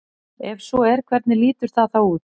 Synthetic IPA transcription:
ɛvsɔɛɾ̥kʰvɛɾt̪nɪliːt̪ʏɾ̥θaðθawuːt̪

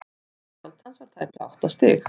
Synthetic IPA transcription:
ɛwlt̪hansvaɾ̥t̪ʰajpa̰wht̪ast̪ɪːx

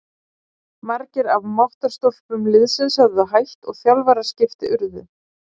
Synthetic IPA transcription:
maɾcɪɾavmaht̪aɾ̥st̪olpʏmlɪðsɪnsaððʏɦajht̪ɔɣθjalvaɾḁscɪft̪ɪʔʏɾðʏ̰

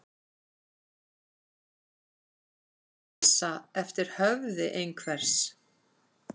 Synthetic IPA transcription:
saɛft̪ɪɾ̥hœvðɪʔejnkʰvɛɾ̥s

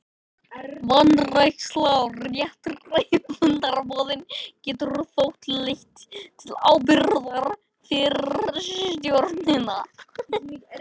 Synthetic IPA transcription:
vanːrajkslaɔjaht̪rrejkvʏnt̪aɾpɔːðɪncɛːt̪ʏɾfowht̪lejht̪ʰːɪlaːwp̬ɪɾðaɾ | fɪɾst̪jowɾt̪nɪna

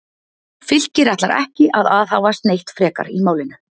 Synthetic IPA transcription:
fɪl̥cɪɾaht̪laɾɛ̰hcɪʔaðaːðhawvast̪nejht̪fɾɛːka̰ɾimaːwlɪnʏ

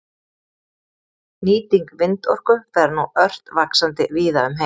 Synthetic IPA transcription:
niːt̪iŋkvɪnt̪ɔ̰r̥kʏθaɾnuœr̥t̪vaksant̪ɪviːðaʏmɦe

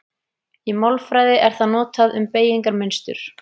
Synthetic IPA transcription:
imɔlfɾaːjðɪʔɛɾ̥θaðnɔːt̪aðʏmpeːjiŋkaɾmɪnst̪ʏ̰ɾ̥

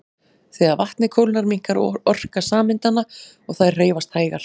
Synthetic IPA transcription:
θɛɣavaht̪nɪkʰowlnaɾmiŋ̥kaɾɔr̥kasaːmɪnt̪ana | ɔɣθar̥eːjvast̪haːjɣa̰

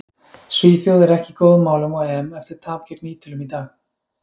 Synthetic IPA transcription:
sviːθjɔɣðɛɾɛhcɪkɔːðʏmːaːwlʏmaaɛmɛft̪ɪɾ̥t̪ʰaːpcʰɛɾkniːt̪ʰʏlʏmit̪aːɣ

